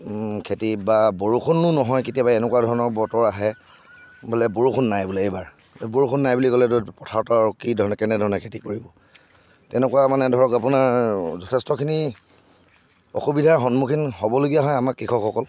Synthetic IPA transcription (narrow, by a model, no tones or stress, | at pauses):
kʰetibaboɹukʰunːʊnɔɦɔjketijabaɛnɛkwadʱɔɹɔnɔɹbɔtɔɹaɦɛ | bʊlɛboɹukʰunːajbulɛejbaɹ | boɹukʰʊnːajbulikɔlɛtopɹɔtʰaɹtɔaɹukidʱɔɹɔnɛkɛnɛdʱɔɹɔnɛkʰetikoɹibɔ | tɛnɛkuwamanɛdʱɔɹɔkapʊnaɹzɔtʰɛstɔkʰini | ɔ̰xubidʱaɹxɔnmukʰinhɔbɔloɡijaɦɔjamakɹikʰɔkʰːɔkɔl